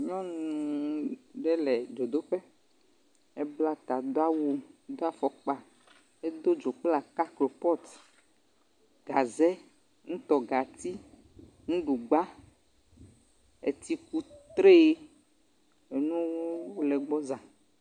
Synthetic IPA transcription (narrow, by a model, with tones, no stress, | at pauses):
ɲɔ̃˦nũ˨ | ɖɛ˦lɛ˨d͡ʒo˨d̪o˦ɸɛ˦ | e˦bla˦t̪a˨d̪o˦a˦wu˦d̪o˦a˦fɔ˨k͡pa˨ | e˦d̪o˦d͡ʒo˨k͡pla˨ka˦klo˨pɔ˦t̪ | ɡ̥a˨zɛ˦ | ŋũ˦t̪ɔ˨ɡa˨t̪i˦ | ŋũ˦ɖu˨ɡ͡ba˦ | ḛ˨t̪i˦ku˦t̪ɾe˦ | e˨nũ˦wo˦lɛ˨ɡ͡bɔ˦zã˨